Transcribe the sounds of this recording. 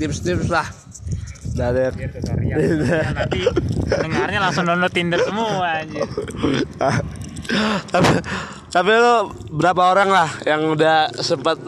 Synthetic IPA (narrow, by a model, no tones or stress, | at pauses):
t̪ɪpst̪ɪpslah | dadəkt̪ariaidanat̪iəŋarɲalaŋsʊŋnonot̪indərsəmuad͡ʒ | a | t̪api | t̪apilo | bəɾapaoɾaŋlahjaŋudahsəpat̪̚